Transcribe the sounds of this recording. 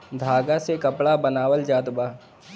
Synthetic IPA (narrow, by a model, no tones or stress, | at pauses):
d̪ʱaːɡasekəpɭabənaːʋəld͡ʒaːt̪baː